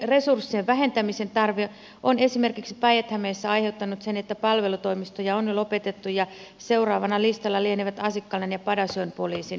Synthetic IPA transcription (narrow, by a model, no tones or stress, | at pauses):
resursːieʋʋæɦe̞nt̪æmisent̪ɑrʋe | ʔonesimerkiksi̥pɑjet̪hæmeːsːæɑjheut̪ːɑnut̪senet̪ːæpɑlʋelut̪oimist̪ojɑonjolopet̪et̪ːujɑ | seurɑːʋɑnɑlist̪ɑlːɑlieniʋæt̪ɑsikːɑlenjɑpɑdɑsompoliːsin